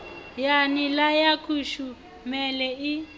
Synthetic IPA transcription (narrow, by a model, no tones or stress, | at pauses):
janilajakʰuʃu | mɛlɛi